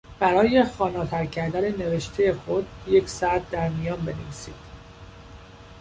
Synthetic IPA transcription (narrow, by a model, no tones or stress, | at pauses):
b̥æɾɒːje̞xɒːnɒːt̪ʰæɾcʰæɾd̪ænene̞ve̞ʃt̪ʰejexo̞d̪je̞cʰsæt̪̚ːæɾmijɒːnbe̞neviːsiːd̪̥